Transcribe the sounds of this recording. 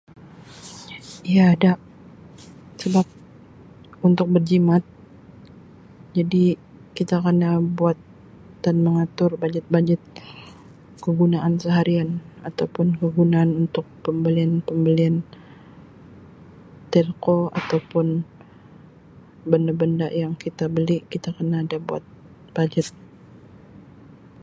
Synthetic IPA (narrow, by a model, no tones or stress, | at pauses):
ijaːdaʔ | səbap̚ | unt̪ʊk̚bərd͡ʒimat̪̚ | d͡ʒadi | kit̪akərnabuat̪̚ | d̥anməŋat̪ʊrbaɲd͡ʒət̪̚baɲd͡ʒət̪̚ | kəɡunaʔansəɦaɾianat̪awpʊnkəɡunaːnunt̪ʊk̚pəmbəlianpəmbəlian | t̪ɛrkoa̰t̪awpʊn | bəndabənda̰ʔjaŋkit̪abəlikit̪akənaːdabua̰t̪̚ | b̥ad͡ʒət̪̚